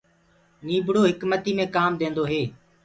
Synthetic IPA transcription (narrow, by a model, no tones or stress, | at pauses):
niːbɽoːɦɪkmət̪iːmẽːkaːmd̪ẽːnd̪oːɦeː